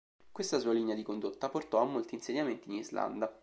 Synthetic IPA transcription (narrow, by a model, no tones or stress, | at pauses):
kwest̪asuːaliːnead̪ikond̪ot̪ːaport̪ɔamːolt̪iːnseɲːament̪iːnizla̰nd̪a